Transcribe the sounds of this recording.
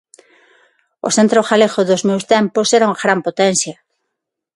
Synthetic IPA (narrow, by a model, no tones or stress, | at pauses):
o̰θent̪ɾoxaleɣoðozmewst̪ɛmposɛɾauŋaɣɾampot̪ɛn̟sjɐ